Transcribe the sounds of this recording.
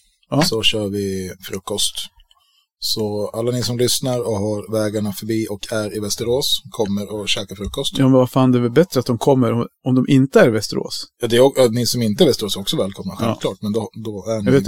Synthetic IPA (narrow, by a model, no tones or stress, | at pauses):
asɔɕœːɾvɪfɾɵkːɔst̪ | sɔalːanɪsɔmlʏsnaɾɔhaɾvɛːɡaɳafœɾbiːʔɔkʰæɾɪvɛst̪əɾoːskʰɔmːəɾɔɕɛːkafɾɵkːɔst̪jɑːmɛnvafaːnd̪ɛvɛlbɛt̪ɾəat̪̚d̪ɔmkʰɔmːəɾɔɔmd̪ɔmʔɪnt̪əæɾɪvɛst̪əɾo̰ːsjɑːd̪ɛɾɔnɪsɔmɪnt̪əæɾvɛst̪əɾoːsɔksɔvɛːlkʰɔmnaɧɛvʰlɑːʈ̚mɛnd̪ɔd̪ɔænveː